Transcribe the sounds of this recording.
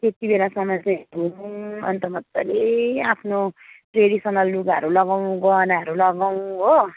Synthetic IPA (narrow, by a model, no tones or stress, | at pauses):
t̪et̪ibelasʌmʌt͡sʌduʌ̰nt̪ʌmʌt̪ːʌleapʰnopreɽisʌnʌlːuɡaʌɾulʌɡaw̃ɡʌnaɦʌɾulʌɡaw̃ɦo